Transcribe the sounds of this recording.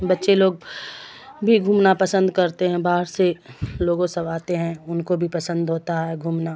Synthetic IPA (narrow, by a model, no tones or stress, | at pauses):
bɐtːʃeloːɡ̚ | bʱiɡʱuːmnapɐsə̃nd̪kɐɾt̪eɦɛ̃baːɦəɾseloːɡõsɐʋaːt̪eɦɛ̃ʊnkobʱipɐsə̃nd̪ɦoːt̪aɦɛɡʱuːmna